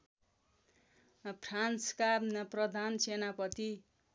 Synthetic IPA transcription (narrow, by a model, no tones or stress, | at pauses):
pʰranskarnʌprʌd̪ʱansenapʌt̪i